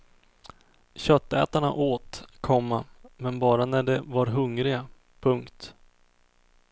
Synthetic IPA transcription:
ɕœt̪ːɛ̰ːt̪aɳa̰ʔoːt̪kʰɔmːamɛnbɑːɾanæɖɛvaɾɦɵŋɾɪɡa | pʰɵŋkt̪

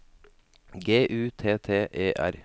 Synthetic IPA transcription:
ɡeːʔʉːt̪ʰeːt̪ʰeːʔeːʔæ̰ɾ

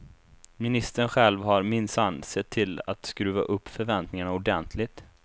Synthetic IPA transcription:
mɪnɪst̪əɳɧɛlvɦaɾmɪnsansɛt̪ʰːɪla̰t̪skɾʉ̟ːva̰ʔɵpːfœɾvɛnt̪nɪŋaɳaʊɖɛnt̪ʰlɪɡ̚t̪

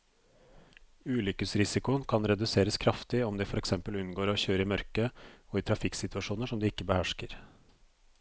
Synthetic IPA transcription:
ʉːlʏkəsɾɪsɪkʊənkʰɑnɾɛd̪ʉseːɾəskʰɾɑft̪ɪɔmd̪ɛːfɔɾɛksɛmpəlʉnɡoːɾɔçøːɾəɪmœɾkəoːiːt̪ʰɾɑfɪksɪt̪ʉɑʂuːnəʂɔmd̪iːɪkːəbəhæʂkəɾ

